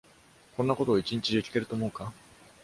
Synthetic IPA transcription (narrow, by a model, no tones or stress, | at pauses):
kõ̞nːako̞t̪o̞ːit͡ɕĩɲt͡ɕid̪ʲekʲi̥t̪e̞ɾɯ̟t̪o̞ːmo̞̟ːka